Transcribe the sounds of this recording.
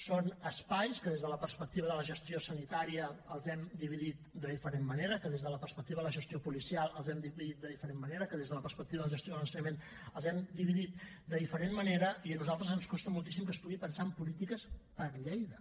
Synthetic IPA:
sonəspajskəðezðələpəɾspək̚t̪iβəðələʒəst̪iosənit̪aɾiəəlˠzɛmd̪iβ̞iðit̪̚d̪əðifəɾemːəneɾəkəðezðələpərspək̚t̪iβəðələʒəst̪iopulisialˠəlˠzɛmd̪iβiðit̪̚d̪əðifəɾemməneɾəkəðezðələpəɾspək̚t̪iβəðəlˠʒəst̪ioðəlˠənsəɲəmen | əlˠzɛmd̪iβiðit̪̚ | d̪əðifəɾenməneɾəiənuzalˠt̪ɾəzənskɔst̪əmulˠt̪isimkəspuɣipənsaəmpulit̪ikəspəɾʎejðə

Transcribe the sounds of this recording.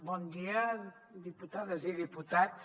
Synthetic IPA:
bɔnd̪iɐ | d̪iput̪aðɐziðiput̪at̪

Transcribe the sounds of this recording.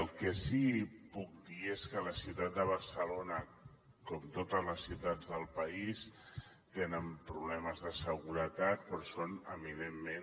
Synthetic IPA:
əlˠkɛsipuk̚d̪ieskələsiwt̪at̪̚d̪əβ̞əɾsəlonə | kɔmt̪ot̪əzləsːiwt̪ad̪d͡zðəlˠpəis | t̪enəmpɾuβlɛməzðəsəɣuɾət̪at̪̚pɾɔsonəminemːen

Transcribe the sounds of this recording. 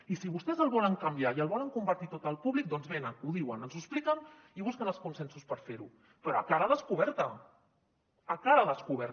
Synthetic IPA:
isiβ̞ust̪ɛzəlˠβɔləŋkambiaiəlˠβɔləŋkumbəɾt̪it̪ot̪əlˠpuβlik̚d̪ɔnzβenənuðiwənənzusplikən | iβuskənəlˠskunsɛnsuspəɾfeɾu | pɾɔakaɾəðəskuβ̞ɛɾt̪ə | akaɾəðəskuβɛɾ

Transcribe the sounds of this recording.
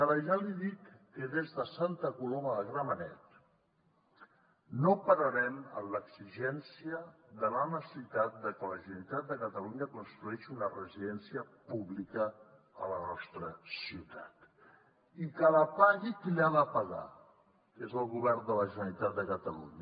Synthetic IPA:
aɾəʒaliðikːəðezðəsant̪əkuloməðəɣɾamənɛ̰t̪ | nopəɾəɾɛmə̰mləksiʒɛnsiəd̪əlanəsit̪at̪̚d̪əkələʒənəɾit̪at̪̚d̪əkət̪əluɲəkunst̪ɾuɛʃunərəziðɛnsiəpuβlikə | ə̰lənɔst̪ɾəsiut̪at̪ | ikələpaɣikʎaðəpəɣa̰ | kezəlˠɣuβɛrnd̪ələʒənəɾit̪at̪̚d̪əkət̪əlṵɲə

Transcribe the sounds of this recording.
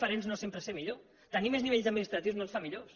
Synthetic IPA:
fəɾenznosempɾəsemiʎo | t̪ənimezniβeʎzəd̪minist̪ɾət̪iwznolˠsfamiʎos

